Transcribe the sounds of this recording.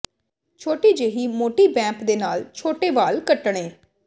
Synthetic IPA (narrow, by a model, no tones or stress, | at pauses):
t͡ʃʰoːʈiːd͡ʒeːɦiːmoːʈiːbɛ̃ːmpd̪eːnaːlt͡ʃʰoːʈeːʋaːlkəʈɳ̃eː